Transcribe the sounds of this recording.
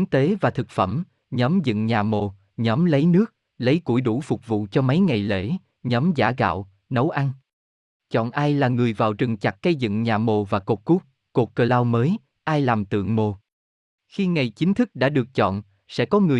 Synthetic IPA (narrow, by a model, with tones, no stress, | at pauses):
ŋt̪e˨˦vaː˨˩t̪ʰɨ˨˩k̚fə˧˩m | ɲɔ˨˦mzɨ̰˧˨ŋɲaː˨˩mo˨˩ | ɲɔ˨˦mlə˨˦jnɨ˦˥ək̚ | lə˨˦jku˧˩jɗu˧˩fʊ˨˩k͡p̚vṵ˧˨t͡ɕɔ˧ma˨˦jŋa˨˩jlḛ˧˩˥ | ɲɔ˨˦mza̰ː˧˩ɣa̰ː˧˨w | nə˨˦wʔa˧ŋ | t͡ɕɔ̰˧˨nʔaː˧jlaː˨˩ŋɨ˨˩əjvaː˨˩wt͡ɕɨ˨˩ŋt͡ɕa˨˩k̚ːə˧jzɨ̰˧˨ŋɲaː˨˩mo˨˩vaː˨˩ko˨˩t̚ku˦˥k̚ | ko˨˩t̚kə˨˩laː˧wməː˨˦j | ʔaː˧jlaː˨˩mt̪ɨ̰˧˨əŋmo˨˩ | xi˧ŋa˨˩jt͡ɕï˨˦ŋ̟t̪ʰɨ˦˥k̚ɗa̰ː˧˥ɗɨ˨˩ək̚t͡ɕɔ̰˧˨n | sɛ̰˧˥kɔ˨˦ŋɨ˨˩ə